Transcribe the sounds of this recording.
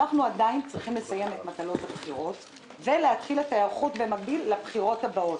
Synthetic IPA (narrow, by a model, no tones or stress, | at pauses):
aχnuadaint͡sʁiχimlesaje̞metmatalo̞thapχiʁo̞t | veleatχiletajaʁχutbe̞maɡ̚bilːabχiʁo̞thabao̞t